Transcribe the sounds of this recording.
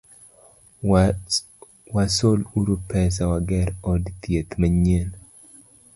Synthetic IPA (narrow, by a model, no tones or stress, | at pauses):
wasoluɾupɛsawaɡɛɾɔdt̪jet̪maɲel